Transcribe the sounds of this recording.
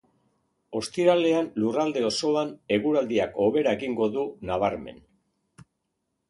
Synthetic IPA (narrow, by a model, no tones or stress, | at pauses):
o̞st̪iɾale̞anlurald̪e̞o̞so̞ane̞ɣuɾald̪iako̞βe̞ɾae̞ɣiŋɡo̞ðunaβ̞aɾme̞̰n